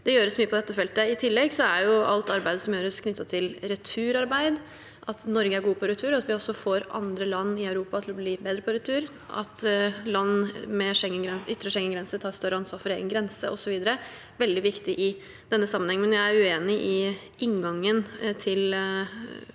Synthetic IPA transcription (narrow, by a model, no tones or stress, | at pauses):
d̪̥ɛjøːɾəsmyːəpʰɔd̪ɛt̪ːəfɛlt̪əɪt̪ʰɪlːɛɡsɔæɾjʊɑlt̪ɑɾbæɪd̪əsɔmjøːɾəskʰnʏt̪ːɑt̪ʰɪlɾɛt̪ʰʉːɾɑɾbæɪd̪ | ʔɑt̪nɔɾɡəæɾɡuːəpʰɔɾɛt̪ʰʉːɾɑt̪ʋɪɔsːɔfoːɾʔɑ̰nd̪ɾəlɑnːɪœʉɾuːpɑt̪ʰɪlɔbliːbeːd̪ɾəpʰɔɾɛt̪ʰʉːɾ | ʔɑ̰t̪lɑnːmɛʂɛŋːənɡɾɛnʏt̪ːɾəʂɛŋːənɡɾɛnsət̪ʰɑːɾst̪œɾəɑnsʋɑːɾfɔɾeːɡənɡɾɛnsəʔɔsɔʋiːd̪əɾə | ʋɛld̪ɪʋɪkt̪ɪʔɪ | d̪̥ɛnːəsɑmːənhɛŋːəmɛnjæɪæɾʉeːnɪʔɪ | ʔɪŋɡɑŋːənt̪ʰɪl